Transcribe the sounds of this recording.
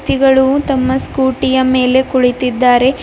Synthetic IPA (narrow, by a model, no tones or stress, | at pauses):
t̪iɡɐɭut̪ɐmːɐskuːʈijɐme̞ːle̞kuɭit̪id̪ːaːɾe̞